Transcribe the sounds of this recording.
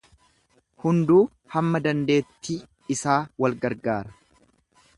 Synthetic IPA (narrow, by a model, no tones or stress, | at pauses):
hʊnd̪uː | hɐmːɐd̪ɐnd̪e̞ːt̪ːiː | ɪsaːwɐlɡɐɾɡaːɾɐ